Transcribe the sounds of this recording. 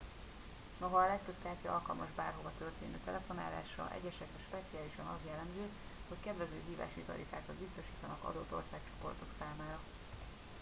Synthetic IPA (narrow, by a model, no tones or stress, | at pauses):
no̞ɦɒːlɛk̚t̪øb̚t̪ɛɦaːt̪iɒlkɒlmɒʒbaːrɦo̞vɒt̪ørt̪eːnø̰ːt̪ɛlɛfo̞na̰ːla̰ːʃrɒ̰ʔɛ̰ɟːɛʃɛkɛʃpɛt̪sijaːliʃɒnɒzjɛlːɛmzøː | ho̞ckɛd̪vɛzøːɦiːva̰ːʃit̪ɒ̰ɾit̪aːkɒd̪bist̪o̞ʃi̥ːt̪ɒnɒkɒ̰d̪ot̪ːo̞̰rsaːk̚t͡ʃo̞̥po̞̰rt̪o̞ksaːmaːɾɒ